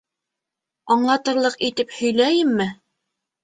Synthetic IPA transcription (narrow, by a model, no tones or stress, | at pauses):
ɑɴlˠɑt̪ɤ̆ɾlˠɤqit̪ɘphɵ̆jlæjɘmːɘ